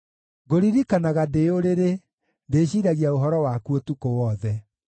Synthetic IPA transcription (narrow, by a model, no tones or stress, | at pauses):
ɡoɾiɾikanaɣadeoɾeɾe | ndeːɕiːɾaɣiaoɦɔɾɔwakuotukowɔðɛ